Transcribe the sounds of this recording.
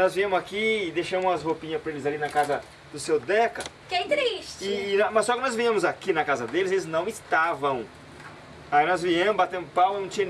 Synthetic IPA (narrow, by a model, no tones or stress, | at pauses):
nɔzviɐ̃mʊzakiːd̪eʃɐ̃mʊ̃ɐshopĩɲɐspɾelɪzalinɐkazɐ | d̪ʊsewd̪ɛkɐ | kɛ̃t̪ɾiʃt͡ʃɪnɔmɐsːɔkɪnɔzvĩɐ̃mʊzakinɐkazɐd̪elɪzelɪznɐ̃w̃ɪst̪avɐ̃w̃ | ainɔzviɐ̃mʊbat̪ẽnd̪ʊpawnɐ̃t͡ʃiɲɐ̃